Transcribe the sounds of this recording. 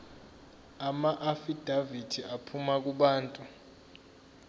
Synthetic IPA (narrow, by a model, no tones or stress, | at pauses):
amaʔafid̥ʱavidʰʱiʔapʰumak̬ʼuɓaːntʼu